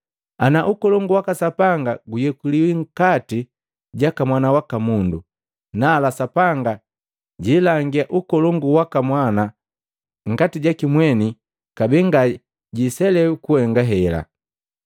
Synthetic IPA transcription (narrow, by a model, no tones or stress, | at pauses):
anaʔukɔlɔŋɡuwakasapaŋɡaɡujɛkuliwiŋ̩kati | ɟakamwanawakamundu | naːlasapaŋɡa | ɟilaŋɡiaʔukɔlɔŋɡuwakamwana | ŋ̩katiɟakimwɛni | kabiŋɡa | ɟisɛlɛkuhɛŋɡaɦɛla̰